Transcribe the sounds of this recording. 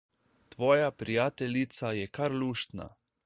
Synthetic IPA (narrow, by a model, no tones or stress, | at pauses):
t̪ʋojapɾijat̪eʎnit̪sajɛkaɾluʃt̪na̰